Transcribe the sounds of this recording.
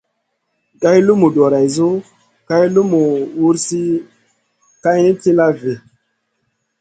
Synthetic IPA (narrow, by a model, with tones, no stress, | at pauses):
ɡa˦jlu˦mu˨do˨ɾa˨jzo˦ | ka˦jlu˦mu˨wu˦ɾsi˦ | ka˦ji˦ti˦la˦ve˨